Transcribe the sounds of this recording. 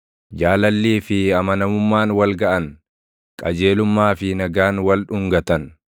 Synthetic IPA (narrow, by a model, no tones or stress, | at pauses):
d͡ʒaːlɐlːiːfɪɐmɐnɐmʊmːaːnwɐlɡɐʔɐn | kʼɐd͡ʒe̞ːlʊmːaːfɪnɐɡaːnwɐlᶑʊŋɡɐt̪ɐn